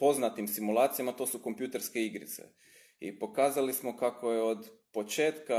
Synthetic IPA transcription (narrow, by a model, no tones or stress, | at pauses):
po̞znat̪imsimulˠaːt̪sijamat̪o̞ːsuko̞mpjuːt̪e̞ɾskeiɡɾḭt̪sḛ | ḭpo̞kaːzalismo̞kako̞jeo̞d̪po̞t͡ʃeːt̪ka